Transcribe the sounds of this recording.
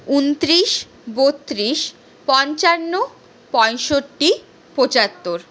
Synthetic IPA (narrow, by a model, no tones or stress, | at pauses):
unt̪ɾiʃ | bot̪ːɾiʃ | pɔɲt͡ɕanːo | pɔjʃoʈːi | pot͡ɕat̪ːoɾ